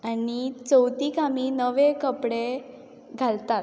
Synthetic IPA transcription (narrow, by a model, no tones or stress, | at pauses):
anit͡səwt̪iːkamiːnəʋekəpɽe | ɡʱalt̪at̪